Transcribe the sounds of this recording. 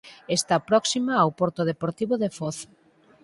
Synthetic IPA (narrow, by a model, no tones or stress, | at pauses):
est̪apɾɔksimaːwpoɾt̪ʊð̞epoɾt̪iβʊðefoθ